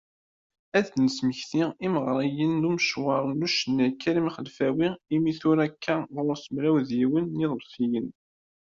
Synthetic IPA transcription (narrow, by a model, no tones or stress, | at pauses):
æðnəsməçθiiməʁɾˤijənːuməʃwɑɾˤnuʃənːækːæɾimχəlfæwiimiθʊɾækʰːæðʊɾsəmɾæwðjiwənːiðˤəlfijən